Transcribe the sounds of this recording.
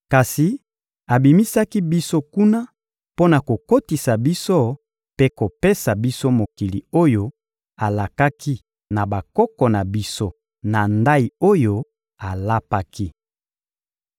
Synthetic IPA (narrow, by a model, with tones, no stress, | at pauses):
ka˨si˨ | a˨bi˨mi˦sa˦ki˦bi˦so˦ku˦na˦ | po˦na˨ko˨ko˦ti˨sa˨bi˦so˦ | pe˦ko˨pe˦sa˨bi˦so˦mo˨ki˨li˨o˦jo˦ | a˨la˨ka˦ki˦ | na˨ba˨kɔ˦kɔ˨na˨bi˦so˦ | na˨nda˦i˨o˦jo˦ | a˨la˦pa˦ki˦